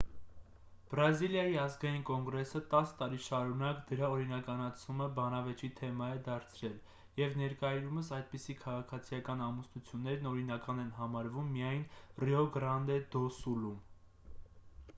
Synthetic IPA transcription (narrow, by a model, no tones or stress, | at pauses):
b̥ɾɑziljɑjiɑzɡɑjinkɔŋɡɾɛsət̪ɑst̪ɑɾiʃɑɾunɑkd̪əɾɑɔɾinɑkɑnɑt͡s̪ʰuməbɑnɑvɛt͡ʃit̪ʰɛmɑjɛd̪ɑɾt͡sʰɾɛl | jɛvnɛɾkɑiɾuməsɑjd̪̚pisikʰɑʁɑkʰɑt͡sʰijɑkɑnɑmusnut͡sʰjunːɛɾnɔɾinɑkɑnɛnɦɑmɑɾvumːijɑjnrɛɔɡɾɑnd̪ɛd̪ɔsulum